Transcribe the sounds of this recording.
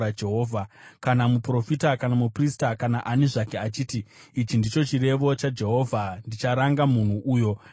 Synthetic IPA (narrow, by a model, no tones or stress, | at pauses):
ad͡ʒeɦoːvʱakanamupro̞fitakanamupristakanaʔaneʐakeat͡ʃiːti | it͡ʃindit͡ʃo̞t͡ʃire̞ʋo̞t͡ʃad͡ʒe̞ɦo̞ːvʱandit͡ʃaɾaŋɡamun̤uʔuːjo̞